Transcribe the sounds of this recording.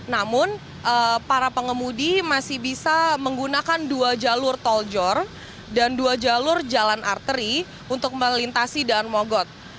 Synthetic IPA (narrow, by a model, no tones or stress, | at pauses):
namʊn | ʔəpaɾapəŋəmudimasɪhbisaməŋɡunakanduad͡ʒalʊrt̪ɔld͡ʒɔr | danduad͡ʒalʊrd͡ʒalanʔa̰rt̪əɾi | unt̪ʊk̚məlint̪asidanmoɡɔt̪̚